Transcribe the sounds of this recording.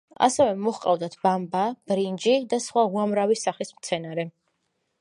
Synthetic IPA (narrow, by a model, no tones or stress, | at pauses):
a̰sɛvɛmɔχqʼavd̪at̪ʰb̥ambab̥ɾind͡ʒid̪asχwauamɾavisaχlismt̪sʰɛnaɾɛ